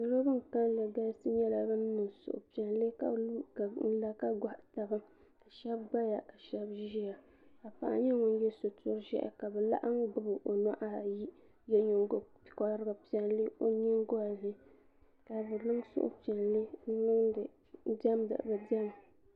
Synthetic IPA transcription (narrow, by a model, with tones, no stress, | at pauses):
ɨ˨ɾo˦bɨ˦ŋ̩˨ka˦nlɨ˨ɡa˦sɨ˦ɲɛ˦la˨bɨ˦n˦nɨ˨ŋsʊ̰˨ʔʊ̰˨pi˨ɛ˨nlɨ˦ka̰˦˨n̩˦la˦ka˦ɡʷa˨ʔta˨bɨ˦ | ka˨ʃɛ˦b̚ɡ͡ba˦ja˨ka˨ʃɛ˦bʒi˦ja˨ | ka˨pa̰˨ʔa̰˨˦ɲɛ˦ŋʊ˦n˦jɛ˦so˨tʰʊ˦ɾʒɛ̰˦ʔɛ̰˨ka˨bɛ˨la̰˦ʔa˦ŋ˦ɡ͡bɨ˦bɨ˨ʔo˨nɔ˦ʔa˦˨ji˦ | jɛ˦ɲo˨ŋ˦ɡo˨pkɔ˦ɾɨ˦ɡɨ˦pi˦ɛ˨nlɨ˦o˦ɲi˦ŋ˦ɡɔ˦˨lɨ˦ | ka˨bɨ˨lɨ˦ŋsʊ̰˦ʔʊ̰˦pi˨ɛ˨nlɨ˦n˦ŋ˨˦ | da˦mdɨ̰˨ʔbɨ˨dɛ˦m˨